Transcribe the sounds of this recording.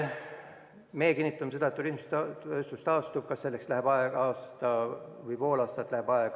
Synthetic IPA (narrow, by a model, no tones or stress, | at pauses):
mejekinʲːit̪ːˑɑmese̞d̪ɑet̪ːuɾihmest̪øst̪ust̪ɑːst̪ub̥̚kɑsːe̞lːekslæɦeb̥ɑeɡ̥ɑːst̪ɑvɯjpo̞ːlɑːst̪ɑt̪ːˑlæheb̥ɑeɡ̥